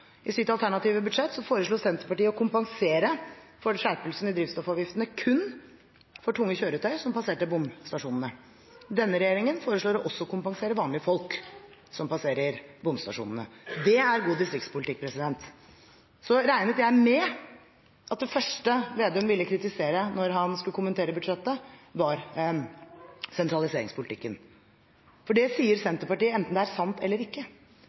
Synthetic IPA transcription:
ʔɪsʏt̪ɑlt̪ʰæɳɑt̪iːʋəbʉd̪ʂɛt̪ːsɔfoːɾəʂɭuːsɛnt̪ɾəpɑʈiːəɔkʰʊmpɑŋseːɾəfɔɾʂæɾpəlsn̩ɪd̪ɾiːftst̪ɔfɑːʋjɪft̪ənəkʰʉnː | fɔʈʰʊŋːəçøːɾʉt̪ʰœʏsɔmpɑseːʈəbʊmst̪ɑʂuːnən̩ə | d̪ɛnːəɾɛjeːɾɪŋənfoːɾəʂɭuːɾɔʔɔsːɔkʊmpɑŋseːɾəʋɑːnlɪəfɔlk | sɔmpɑseːɾəɾbʊmst̪ɑ̰ʂṵːnənə̰d̪ɛæɾɡuːd̪ɪst̪ɾɪkt̪spʊlɪt̪ɪk̚ːpʰɾɛsɪd̪ɛnt̪ | sɔɾæɪnət̪jæɪmɛ | ʔɑt̪̚d̪ɛfœʂʈəʋeːd̪œmʋɪlːəkʰɾɪt̪ɪseːɾənɔɾɦɑnskʉləkʊməneːɾəbʉd̪ʂɛt̪ːəʋɑɾ | sɛnt̪ɾɑlɪseːɾɪŋspʰʊlɪt̪ɪkːən | fɔɖɛsiːəɾsɛnt̪əɾpɑʈiːəɛnt̪n̩d̪ɛææɾsɑnt̪ɛlːəɾɪkːə

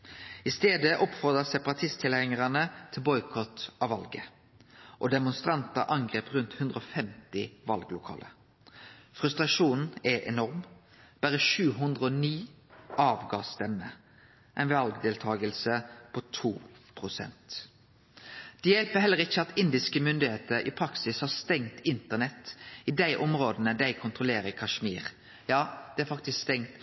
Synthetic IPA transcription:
ɪst̪eːd̪əʔɔpfɔʁd̪ʁəsɛpɑʁɑt̪ʰɪst̪ʰɪlæŋəʁɑnət̪ʰɪlbɔʏkʰɔt̪ɑʋɑlɡə | ʔɔd̪ɛmʊnst̪ʁɑnt̪əʔɑŋɡʁeːpʁʉnt̪hʉnd̪ʁəɔfɛmt̪ɪʋɑlɡlʊkʰɑ̰ːlə̰ | fʁʉst̪ʁɑʂuːn̩ɛʔɛ̰nɔʁm | b̥æʁəʃʉːɦʉnd̪ʁəɔniː | ʔɑːʋɡɑːst̪ɛmːə | ʔæɪnʋɑlɡd̪eːlt̪ʰɑːɡəlsəpʰɔt̪ʰuːpʰʁʊsɛ̰nt̪ | d̪̥ɛjɛlpəɦɛlːəʁɪçːəɑt̪ɪnd̪ɪskəmʏnd̪ɪheːt̪əɾʔɪ̰pʰɾɑksɪshɑːʁst̪ɛŋt̪ɪnt̪ənɛt̪ɪd̪æɪʔɔmʁoːd̪ənəd̪æɪkʰʊnt̪ʁʊleːɾəkʰɑʂmiːʁ | jɑːd̪̥ɛæfɑkt̪ɪskst̪ɛŋt̪

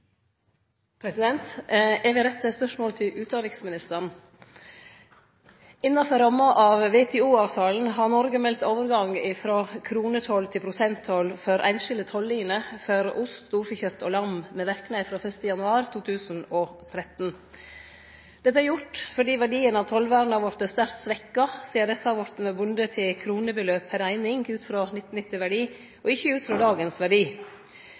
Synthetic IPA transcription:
pʰɾɛsɪd̪ɛnt̪ɛɾʋɪɾɛt̪ːəspœʂmoːlt̪ʰɪʔʉːt̪d̪ɑːɪksmɪnɪst̪ən | ɪnːɑfɔɾɑmɑʔɑʋʋɛːt̪ʰɛːuːɑːʋt̪ʰɑːln̩ɦɑɾnɔɾɡəmɛlt̪oːʋəɾɡɑŋɪfɾoːkʰɾuːnət̪ʰɔlt̪ʰɪpʰɾʊsɛnt̪ʰɔlfœɾʔæ̰ɪnʃɪld̪ət̪ʰɔlːiːnəfɔɾʊst̪ːuːɾfəçœt̪ʰːoːlɑmmɛʋæɾknæɪfɾoːfœst̪əjɑnʉɑːɾt̪ʰuːt̪ʰʉːsn̩ɔt̪ʰɾɛt̪n | d̪̥ɛt̪ːəæɾjʊʈfɔɖiːʋæɖiːənɑʋt̪ʰɔlʋæːɾnɑʋɔɾt̪əst̪æɾt̪sʋɛkːɑsiːəɾd̪ɛsɑʋɔɾt̪əməbʉnd̪ət̪ʰɪlkʰɾuːnəbəløːpʰæɾæɪnɪŋʉːt̪fɾoːnɪt̪ːn̩ɪt̪ːɪʋæɖiː | ʔɔɪçːəʉːt̪fɾɔːd̪ɑːɡənsʋæɖiː

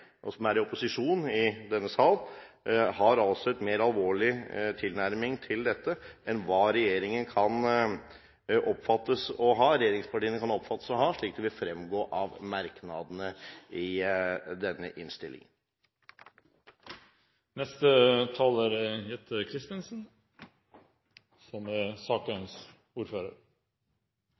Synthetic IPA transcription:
ʔɔ̰sɔmæɾɪɔpʊsɪʂuːnɪd̪ɛnːəsɑːl | hɑɾɑlsɔɛt̪meːɾɑlʋoːɭɪt̪ʰɪlnæɾmɪŋt̪ʰɪld̪ɛt̪ːəʔɛnʋɑːɾɛjeːɾɪŋənkʰɑn | ʔɔpːfɑt̪ːəsɔɦɑːɾɛjeːɾɪŋspʰɑʈiːənəkʰɑnɔpfɑt̪ːə̥sɔɦɑːʂɭiːk̚d̪ɛʋɪlfɾɛmɡoːʔɑʋmɑɾknɑd̪ənəɪd̪ɛnːə̰ʔɪnst̪ɪlɪ̰ŋən | nɛst̪ət̪ʰɑːləɾəjɛt̪ʰːəkʰɾɪst̪ənsn̩ | sɔməsɑːkɑns | uːɾføːɾəɾ

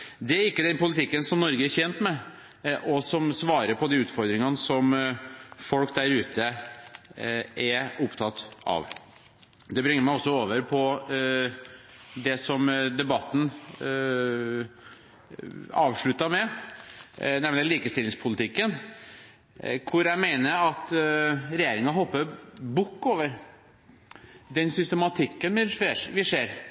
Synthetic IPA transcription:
d̪ɛæɾɪkːəd̪ɛnpʊlɪt̪ʰɪkːənsɔmnɔɾɡəæɾçɛnt̪mɛ | ʔɔsɔmsʋɑːɾəɾpʰɔd̪iʉːt̪fɔɾd̪ɾɪŋɑnəsɔm | fɔlkd̪æɾʉːt̪ə | ʔæɾʊpt̪ʰɑt̪ːɑ̰ʋ | d̪ɛbɾɪŋəɾmæɪɔsːɔoːʋəɾpʰɔ | d̪ɛsɔmd̪ɛbɑt̪ːn̩ | ɑ̰ːʋʂɭʉt̪ːɑmɛ | nɛmnəliːkəst̪ɪlɪŋspʰʊlɪt̪ʰɪkːən | kʰʊɾjæmeɪnəɾɑt̪ɾɛjeːɾɪŋɑɦɔpːəɾbʊkːoːʋəɾ | d̪ɛnsʏst̪ɛmɑt̪ʰɪkːənʋɪʂeʋɪʂeːɾ

